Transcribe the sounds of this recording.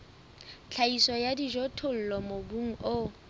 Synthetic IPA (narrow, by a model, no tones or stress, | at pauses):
t͡ɬʰaisɔjadiʒɔtʰʊl̩lɔmobuŋ̩o